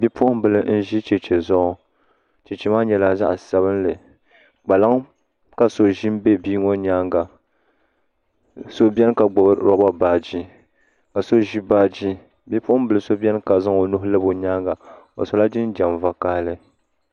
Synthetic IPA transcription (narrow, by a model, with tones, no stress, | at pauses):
bɛ˦pʊ˦ʔʊ˦m˦bɨ˨lɨ˨n̩˦ʒi˦t͡ʃɛ˨t͡ʃɛ˨zɔ˦ʔɔ˨ | t͡ʃɛ˨t͡ʃɛ˨maː˦ɲɛ˨la˨za̰˦ʔsa˨βɨ˦nlɨ˨ | ɡ͡ba˨la˦ŋ˦ | ka˨so˨ʒi˦m˦be˦biː˦ŋɔ˦ɲaː˦ŋɡa˨ | so˦bɛ˦n˦ka˨ɡ͡bɔ˨bɾɔ˦ba˦baː˨d͡ʒi˦ | ka˨so˦ʒi˦baː˦d͡ʒi˦ | bi˦pʊ˦ʔʊ˦m˦bɨ˨lɨ˨so˦bɛ˦n˦ka˨za˦ŋo˨nʊ˦hʊ˦lɨ˦bo˨ɲaː˦ŋɡa˨ | o̰˨so˨la˦d͡ʒi˦n˦d͡ʒa˨mva˦kaː˦lɨ˦